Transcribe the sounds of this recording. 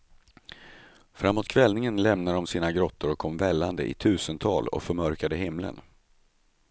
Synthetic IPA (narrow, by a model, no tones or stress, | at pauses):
fɾamːuːt̪kʰvɛlnɪŋənlɛmnadd̪ɔmsiːnaɡɾɔt̪ːʊɾɔkʰːɔmvɛlːand̪ə̰ʔɪ̰t̪ʰʉ̟ːsənt̪ʰɑːlɔ̰kfœɾmœɾkad̪əɦɪmlə̰n